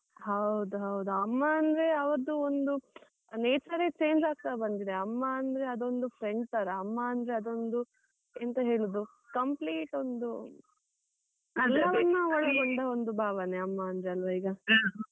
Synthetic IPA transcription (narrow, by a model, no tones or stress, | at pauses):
ɦɐwd̪uɦɐwd̪uɐmːaːnd̪ɾe̞ɐʋɐɾɐd̪uond̪u | neːt͡ʃɐɾet͡ʃe̞ːɲd͡ʒaːɡ̚t̪abɐnd̪id̪eɐmːɐːnd̪ɾeɐd̪o̞nd̪ufʰɾe̞ɳɖt̪aːɾeɐmːɐɐnd̪ɾe̞ɐd̪o̞nd̪u | ent̪ɐɦeːɭud̪u | kɐmpliːʈo̞nd̪u | ɐlːɐʋɐnːuɔɭɐɡoɳɖɐo̞nd̪ubʱaːʋɐne̞ɐmːaɐnd̪ɾeɐlʋɐiːɡɐ